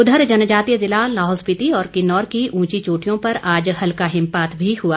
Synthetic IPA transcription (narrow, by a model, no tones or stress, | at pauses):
ʊd̪ʱəɾd͡ʒɐnəd͡ʒaːt̪ijəzɪlalaːɦɔːlspɪt̪iɔːɾkɪnɔːɾkiũːt͡ʃit͡ʃoːʈijõpɐɾaːd͡ʒhɐlkaɦɪ̃mpaːt̪ʰbʱihuaː